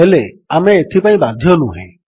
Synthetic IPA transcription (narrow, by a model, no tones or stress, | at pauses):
ele | amẽet̪ʰipãĩbad̪ʱiɔnũɦɛ̰̃